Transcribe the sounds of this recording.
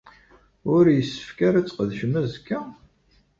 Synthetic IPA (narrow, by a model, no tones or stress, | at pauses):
ʊɾjəsːə̥fkæɾæt͡sːqəðʃmæzkːæ